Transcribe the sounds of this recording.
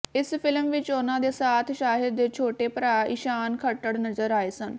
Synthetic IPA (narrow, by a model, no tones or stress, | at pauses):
isfilmʋit͡ɕonad̪esat̪ʰɕaːɦid̪et͡ɕʰoʈepɾaiɕankʰəʈəɽnəd͡zəɾajsən